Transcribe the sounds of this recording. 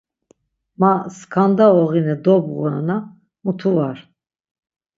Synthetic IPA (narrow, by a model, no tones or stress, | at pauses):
maskʰand̪aɔʁinɛd̪ɔbɣuɾana | mut̪ʰuvaɾ